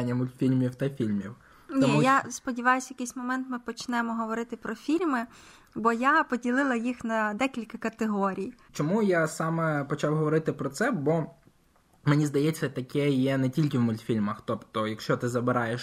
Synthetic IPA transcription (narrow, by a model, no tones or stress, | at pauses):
nʲːɐmʊlʲt̪fʲilʲmʲiwt̪ɐfʲilʲmʲiw | nʲɔiujaspɔdʲiʋɑjʊsʲɐjɐkɪjsʲmɔmɛnt̪mɪpɔt͡ʃnɛmɔɦɔʋɔɾɪt̪ɪpɾɔfʲilʲmɪ | bɔjapɔdʲilˠɪlˠɐjixnɐd̪ɛkʲilʲkɐkɐt̪eɦɔɾʲijt͡ʃɔmujasɑmɛpɔt͡ʃɑwɦɔʋɔɾɪt̪ɪpɾɔt̪sɛbɔ | menʲizd̪ɐjɛt͡sʲːɐt̪ɐkɛjɛnɛtʲilʲkɪwmʊlʲt̪fʲilʲmɐxt̪ɔpt̪ɔjɐkʃt͡ʃɔt̪ɪzɐbɪɾɑjeʃ